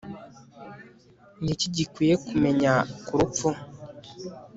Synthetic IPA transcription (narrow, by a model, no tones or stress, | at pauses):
ŋɡiciɟikwiːjekume̞ɲakuɾup͡fu